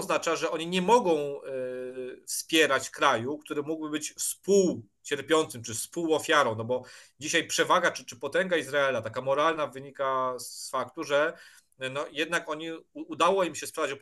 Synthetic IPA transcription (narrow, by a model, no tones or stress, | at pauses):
ɔznat͡ʂaʐɛʔɔɲiɲɛmɔɡɔ̃w̃ | fspʲjɛɾat͡ɕkɾajuk̚t̪uɾɘmuɡbɘbɘt͡ɕspuw | t͡ɕɛɾpʲjɔnt̪sɘmt͡ʂɘspuwɔfʲjaɾɔ̃w̃nɔbɔd͡ʑiɕajpʂɛvaɡat͡ʂɘt͡ʂɘpɔt̪ɛŋɡaizɾaɛlat̪akamɔɾalnavɘɲikasfakt̪uʐɛ | nɔjɛd̪nakɔɲiːd̪awɔimɕɛspʂavat͡ɕɔ